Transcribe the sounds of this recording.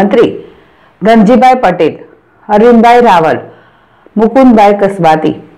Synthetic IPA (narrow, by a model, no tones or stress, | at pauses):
ənt̪ɾi | ɡ̪ənd͡ʑibʱajpəʈel | əɾinbʱajɾaʋəl | mukunbʱajkəsʋat̪ḭ